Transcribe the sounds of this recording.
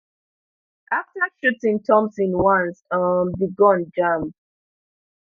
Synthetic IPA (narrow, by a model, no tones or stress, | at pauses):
ʔaftaʃutĩŋtʰɔ̃msĩnwãnsʌmbiɡɔ̃nd͡ʒam